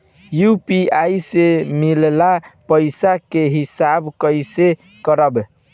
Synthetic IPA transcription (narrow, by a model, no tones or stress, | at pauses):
jupiajsemillapəɪsakeɦisabkəjse | kəɾəb